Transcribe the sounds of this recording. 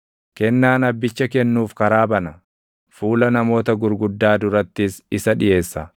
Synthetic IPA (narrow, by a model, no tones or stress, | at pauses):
kɛnːaːnɐbːɪt͡ʃːɐkɛnːuːfkɐɾaːbɐnɐ | fuːlɐnɐmo̞ːt̪ɐɡʊɾɡʊd̪ːaːd̪ʊɾɐt̪ːɪsɪsɐᶑɪjʔe̞ːsːɐ